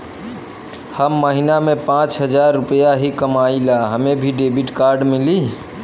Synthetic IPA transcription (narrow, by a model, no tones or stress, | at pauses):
həmːəɦinamepãt͡ʃɦəd͡ʒaɾːupəjaɦikəmailaɦəmebʱiɖebiʈkaɾɖmili